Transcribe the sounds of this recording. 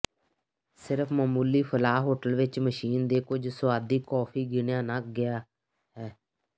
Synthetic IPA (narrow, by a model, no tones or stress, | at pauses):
sɪɾəpʰmaːmuːliːpʰəlaːɦoːʈəlʋɪt͡ʃməʃiːnd̪eːkʊd͡ʒsʊaːd̪iːkɔːpʰiːɡɪnjãːnakɡɪjaː | ɦɛː